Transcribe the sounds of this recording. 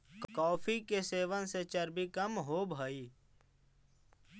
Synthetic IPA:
kkɔːfʰikeseːʋənset͡ʃəɾbikəmɦoːbʱaːiː

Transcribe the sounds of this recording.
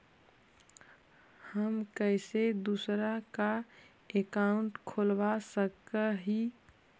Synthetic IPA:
həmkəɪsed̪usɾaka | ekaʊɳʈkʰolʋasəkːəɦi

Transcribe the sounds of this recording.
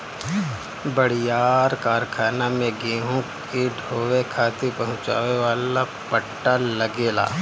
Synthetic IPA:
bəɽ̤ijaːɾkaːɾkʰaːnamẽɡeːɦõkeɖʱoːʋekʰaːt̪epɐɦʊ̃t͡ʃa̰ːʋeʋaːla | pəʈːalɐɡeːla̰ː

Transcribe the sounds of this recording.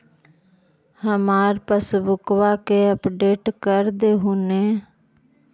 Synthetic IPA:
həmaːɾpəsbʊkʋakeəpɖeːʈkəɾd̪eːɦuneː

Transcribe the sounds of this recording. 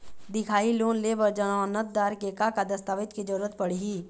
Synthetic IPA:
d̪ɪkʰaːiloːnleʋəɾd͡ʒənaːnət̪̚d̪aːɾkeːkakad̪əst̪aːʋɪt̪kid͡ʒɐɾuːɾət̪̚pɐɽiɦiː

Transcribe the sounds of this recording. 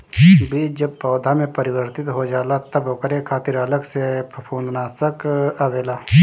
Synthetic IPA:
bʱid͡ʒɐb̚pɔːd̪ʱamẽpɐɾɪwəɾt̪ɪt̪ɦod͡ʒaːlat̪ɐbokəɾekʰaːt̪ɪɾələksepəpʰõːnd̪naːsəkaʋeːlaː

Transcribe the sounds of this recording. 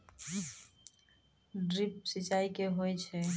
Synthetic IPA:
ɖɾip̚sit͡ʃaikeɦojt͡ʃʰɛ

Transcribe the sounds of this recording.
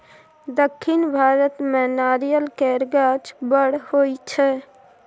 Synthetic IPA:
d̪əkʰːɪnbʱaːɾət̪mɛnaːɾijəlkɛːɾɡaːt͡ʃbəɽhoit͡ʃʰɛ

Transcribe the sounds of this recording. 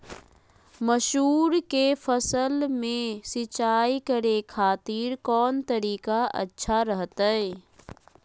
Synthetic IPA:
məʃɦuːɾkefʰəsəlmẽsɪt͡ʃaːikəɾekʰaːt̪iːɾkɔːnt̪əɾiːkaɐ̰tːʃʰaɾəɦt̪aɛː

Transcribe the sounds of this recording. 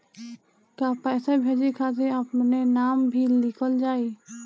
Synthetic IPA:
kapɛːsabʱeːd͡ʒekʰat̪̬eəpnenaːmbʱilːɪkəld͡ʒaːi

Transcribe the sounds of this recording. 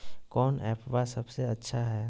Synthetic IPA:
kɔːnɛːpbasɐbseɐtːʃʰaɦɛː

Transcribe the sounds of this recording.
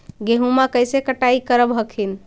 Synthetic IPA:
ɡeɦumakəjsekəʈaikəɾəbɦəkʰin

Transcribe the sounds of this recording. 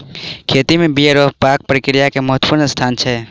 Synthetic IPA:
kʰeːt̪imẽbieɾoːpaːk̚pɾəkɾijakeməɦət̪puːɾnəst̪ʰaːnt͡ʃʰɛ

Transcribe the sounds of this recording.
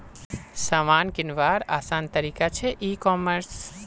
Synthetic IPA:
samaːnkɪnʋaːɾaːsaːnt̪əɾiːkat͡ʃʰeʔikɔməɾs

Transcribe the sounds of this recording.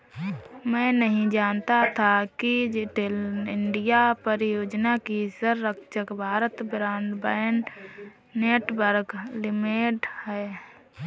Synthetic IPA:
mɛ̃ːnəɦĩd͡ʒaːnt̪at̪ʰakid͡ʒeʈelɪɳɖijapəɾɪjoːd͡ʒnakisəɾːəkʃəkbʱaːɾət̪bɾaːnd̪bəːnː | eːʈbəɾklɪmeʈhɛ

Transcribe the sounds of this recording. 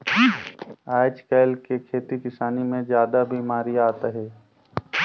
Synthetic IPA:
aːd͡ʒkaːlkekʰeːt̪ikɪsaːnimẽd͡ʒjaːd̪abʱiːmaːɾiaːt̪aɦɛː

